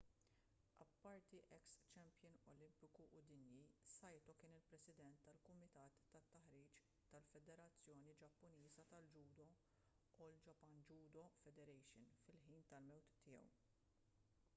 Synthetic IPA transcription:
ɐ̰pːɐɾt̪iʔɛkst͡ʃɛmpjɪnɔlɪmpɪkuʔʊd̪ɪnjisɐjt̪ɔkɪːnɪlpɾɛsɪd̪ɛnt̪ːɐlkʊmɪt̪ɐːt̪ːɐt̪ːɐħɾiːt͡ʃ | t̪ɐlfɛd̪ɛɾɐt͡sːjɔːnid͡ʒɐpːʊniːzɐt̪ɐld͡ʒuːd̪ɔ | ʔuld͡ʒɐpːɐnd͡ʒuːd̪ɔfɛd̪ɛɾɛjʃɪnfɪlħiːnt̪ɐlmɛwt̪ːɪjɛ̰w

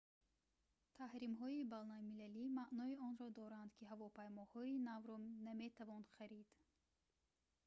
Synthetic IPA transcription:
t̪ʰahɾimɦɔibanalmilælimaʔnɔiɔnɾɔd̪ɔɾand̪kʰiɦavɔpajmɔhɔinavɾɔname̞t̪ʰavɔnχaɾid̪̥

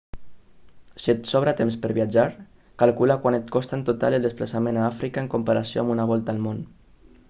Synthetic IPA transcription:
siet̪sɔβ̞ɾat̪emspəɾβiad͡ʒaɾ | kalkulakwanet̪̚kɔst̪aent̪ot̪a̰leld̪esplasamẽnaafɾikaeŋkumpaɾasio̰ambunaβ̞ɔlˠt̪aːlmon

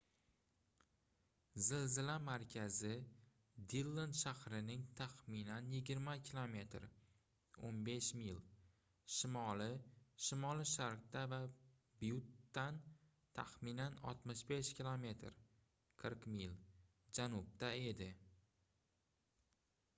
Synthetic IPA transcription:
zɪlzɪlamaɾkʲʰazɪ | d̪ilˠːonʃahɾɪnɪŋt̪ʰaχminanjɪɡʲɪɾmakʲʰilˠome̞t̪ɾ | onbe̞ʃmil | ʃɪmɒlɪʃɪmɒlˠɪʃaɾq̚t̪ava | bjut̪ːan | t̪ʰaχminanɒ̰t̪mɪʃbe̞ʃkʲʰilˠome̞t̪ɾ | qʰɨɾqmil | d͡ʒanʊb̚t̪ae̞d̪ɪ

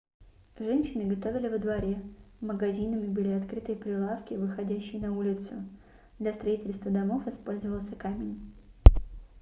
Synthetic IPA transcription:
ʐɛnʲɕːɪnɨɡɐt̪ovʲɪlʲɪvəd̪vɐɾʲeməɡɐzʲinəmʲɪbɨlʲɪɐt̪kɾɨt̪əjpɾʲɪlˠafkʲɪvɨxɐdʲæɕːɪjnɐulʲɪt̪sʊ | d̪lʲɐst̪ɾɐitʲɪlʲst̪vəd̪ɐmo̞fɨspo̞lʲzəvəlˠsʲəkamʲɪnʲ

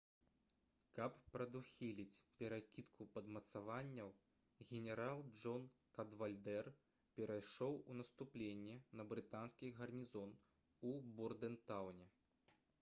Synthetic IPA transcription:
kɐppɾɐd̪uxʲilʲit͡sʲpʲɛɾakʲit̪kʰupɐd̪mɐt̪savanʲːɐw | ɣʲɛnʲɛɾalˠd͡ʐɔnkɐd̪valʲd̪ɛr | pʲɛɾʔajʂɔwunɐst̪uplʲenʲːɛnɐbɾɨt̪anskʲiɣɐrnʲizɔn | uburd̪ɛnt̪awnʲɛ

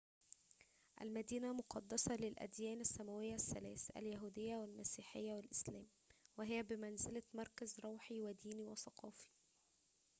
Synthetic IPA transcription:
ʔæ̰lmæd̪iːnæmʊqɑd̪ːɑsˤɑlɪlʔæ̰d̪jæːnæsːæmæwɪjːæsːælæːsʔæ̰ljæɦuːd̪ɪjːæwælmæsiːħɪjːæwælʔɪslæːm | wɪɦɪjːæbɪmænzɪlæmɑɾˤkæzɾˤoːħiwæd̪iːniwæsˤɑqʰɑːfi̥

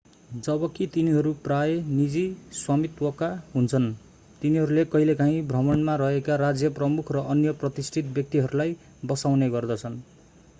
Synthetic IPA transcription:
d͡zʌbʌkit̪iniɦʌɾupraenid͡ziswamit̪wʌkaɦunt͡sʰʌn | t̪iniɦʌɾulekʌɦilekaɦĩbʱrʌmʌɳmaɾʌɦekarad͡zjʌprʌmukʰrʌʔʌnjʌprʌt̪isʈʰit̪̚bjʌk̚t̪iɦʌɾulaj | bʌsawneɡʌrd̪ʌt͡sʰʌn

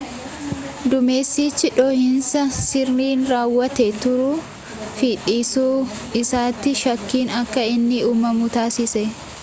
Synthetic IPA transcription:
d̪ʊmeːsːiːt͡ʃːɪᶑoːhɪnsɐsɪriːnɾaːwːɐt̪ɛt̪ʊɾʊ | fiːᶑiːsuː | ɪsaːt̪ːɪʃɐkːiːnɐkːɐɪnːɪuːmɐmuːt̪aːsɪsɛ

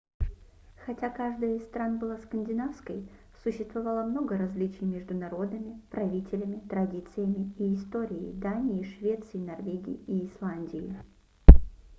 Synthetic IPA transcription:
xɐtʲakaʐd̪əjəɪst̪ɾanbɨlˠaskənʲdʲɪnafskəj | sʊɕːɪst̪vɐvalˠəmno̞ɡəɾɐzʲlʲit͡ɕɪjmʲɪʐd̪ʊnɐɾo̞d̪əmʲɪpɾɐvʲitʲɪlʲɪmʲɪt̪ɾɐdʲit̪sɨjəmʲɪiːst̪o̞ɾʲɪɪ̰d̪anʲɪjɪʂvʲe̞t̪sɨjɪnɐrvʲeɡʲɪ̰jɪiːslˠanʲdʲɪjɪ̰

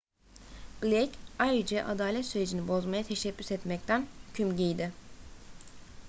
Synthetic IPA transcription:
ɡlʲɛcajɾɯd͡ʒɛʔad̪aːlʲɛt̪syɾe̞d͡ʒinibo̞zmajat̪ʰeʃɛpːy̥sɛt̪mɛc̚t̪ʰænhycʰymɟijd̪ɪ

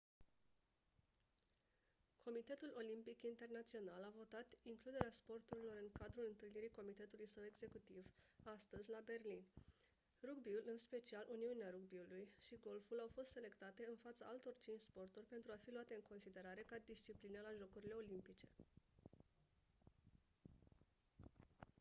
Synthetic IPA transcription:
kʰo̞mit̪e̞t̪ulo̞limpikint̪e̞rnat̪sio̞nalavo̞t̪at̪iŋklud̪e̞ɾeaspo̞rt̪uɾilo̞ɾɨŋkad̪ɾulɨnt̪ɨlniɾiko̞mit̪e̞t̪ulujsəwe̞ɡze̞kut̪ivast̪əzʲlabe̞rlin | ruɡbiulɨnspe̞t͡ʃialʔuniuneaɾuɡ̚biulujʃiɡo̞lfulawfo̞st̪se̞le̞kt̪at̪e̞ɨnfat̪saʔalt̪o̞rt͡ʃint͡ʃspo̞rt̪urʲpe̞nt̪ɾuafiluat̪e̞ɨŋko̞nsid̪e̞ɾaɾe̞kad̪ist͡ʃiplinəlaʒo̞kuɾile̞o̞limpit͡ʃe̞

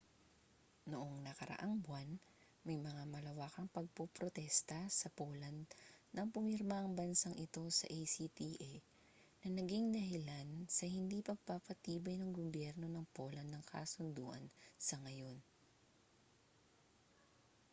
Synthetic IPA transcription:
noʔoŋnɐkɐɾɐ̰ʔaŋbwan | mɐjmɐŋamɐlɐwaːkɐŋpɐɡ̚popɾot̪ɛst̪ɐsɐpolɐnd̪nɐŋpʊmɪɾmaʔɐŋbɐnsaŋʔɪt̪o̞sɐ̰ʔejsit̪iʔɛ | nɐnɐɡiŋd̪ɐɦɪlansɐhɪnd̪ipɐɡ̚papɐt̪iːbɐjnɐŋɡobjɛɾno̞nɐŋpo̞ːlɐnd̪nɐŋkʰa̰sʊnd̪ṵːʔɐ̰nsɐŋɐjo̞n

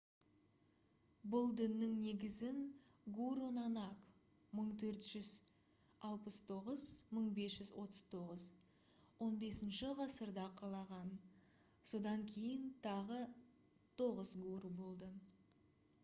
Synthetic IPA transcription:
bʊlˠd̪ɪnːɪŋne̞ɡʲɪzɪŋɡuɾonɑnɑk | məɴt̪ʰɵɾt̪ʒ̥ʏz | ɑlˠpəst̪ʰo̞ʁəz̥məɴbe̞sʒ̥ʏzwo̞t̪ə̥z̥t̪ʰo̞ʁəz | wo̞nbe̞sɪnʃɪʁɑsəɾd̪ɑqʰɑlˠɑʁɑn | so̞d̪ɑŋkʲʰe̞jɪnt̪ʰɑʁə | t̪ʰo̞ʁəzɡuɾubo̞lˠd̪ə

